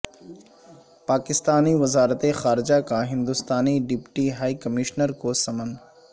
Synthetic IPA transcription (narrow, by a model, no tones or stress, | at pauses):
paːkɪst̪aːniʋɐzaːɾət̪exaːɾɪd͡ʒakaɦɪ̃nd̪ʊst̪aːniɖɪpʈiɦaːikɐmiʃnəɾkosɐmən